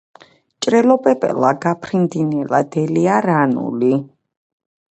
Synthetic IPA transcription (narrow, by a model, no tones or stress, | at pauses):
t͡ʃʼɾɛlɔpʼɛpʼɛ̰laɡapʰɾind̪inɛlad̪ɛliaɾanṵli